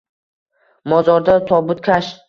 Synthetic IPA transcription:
mɒzɒɾd̪at̪ʰɒbʊt̪̚kʲʰaʃ

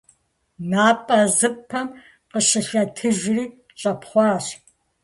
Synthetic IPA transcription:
naːpʼɐzɨpʰɐm | qəɕɪɬɐtʰɨʒriː | t͡ʃʼɐpʰχʷɑːɕ

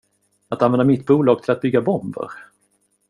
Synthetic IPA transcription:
at̪anvɛnd̪amɪt̪buːlɑːɡ̚t̪ʰɪlat̪̚bʏɡːabɔmbə̰ɾ

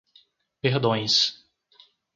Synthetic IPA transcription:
peɾd̪õj̃s

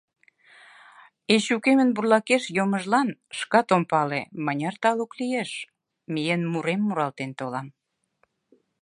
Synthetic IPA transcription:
eɕukemə̆nburlɑkeʃjoməʒlɑnʃkɑt̪ompɑlḛmənʲɑrt̪ɑluklijeʃ | mijenmuɾemːuɾɑlt̪ent̪olɑm

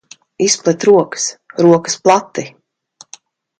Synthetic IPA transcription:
isplˠɛt̪ɾuɔkə̥sɾuɔkə̥splˠat̪ːi

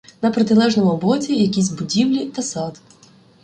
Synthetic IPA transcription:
nɐpɾɔt̪ɪlˠɛʒnɔmʊbɔt͡sʲijɐkʲis̬ʲbʊdʲiwlʲit̪ɐsɑd̪

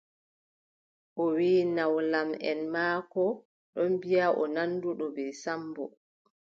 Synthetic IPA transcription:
ʔɔwiːnawlamɛ̰nmaːkɔ | ɗɔnbijaʔɔnanːduɗɔbɛjsambɔ

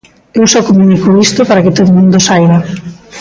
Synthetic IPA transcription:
ewsɔkomunikoist̪opaɾakɪt̪oðomũnd̪osajɣɐ

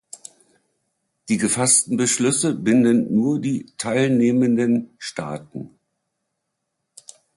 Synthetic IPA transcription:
d̥iːɡəfastn̩bəʃlʏsəbɪndənːuːɐdiːtʰaɪlneːməndənʃtʰa̰ːtn̩

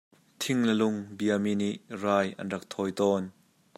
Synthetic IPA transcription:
t̪ʰɪŋlɐlʊŋbiəminiʔraːjʔɐ̰nrɐk̚t̪ʰɔːjt̪ɔːn

